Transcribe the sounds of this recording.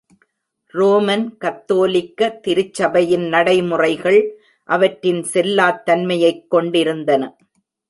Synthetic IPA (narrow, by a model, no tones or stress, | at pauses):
roːmɐnkɐt̪ːoːlɪkːɐt̪ɪɾɯt͡ʃːɐbɐjɪnnɐɽɐɪmʊrɐɪɣɐɭ | ʔɐʋɐʈɾɪnsɛlːaːt̪ːɐnmɐjɐɪkːɔɳɖɪɾɯnd̪ɐnɐ